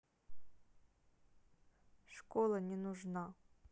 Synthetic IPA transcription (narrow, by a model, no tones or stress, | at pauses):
ʂkɔlˠɐnʲɛnʊʐna